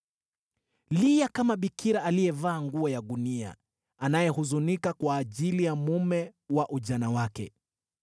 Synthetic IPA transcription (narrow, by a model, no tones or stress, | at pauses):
lijakamaɓikʰiɾaalijɛvaːŋɡuɔjaɗunia̰ | anajɛhuzunikakwaːʄilijamumɛwaʔuʄanawakɛ̰